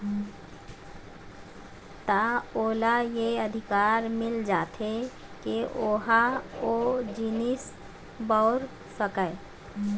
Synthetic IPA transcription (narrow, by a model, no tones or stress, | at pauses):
t̪aoːlajeəd̪ʱɪkaːɾmɪld͡ʒaːt̪ʰe | keoːɦaod͡ʒinɪs | baʊɾ | səkəe